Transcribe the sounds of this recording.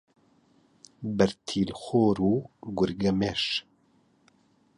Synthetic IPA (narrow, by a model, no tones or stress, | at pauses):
bɛɾt̪ʰiːlxoːɾuːɡʊɾɡɛmeʃ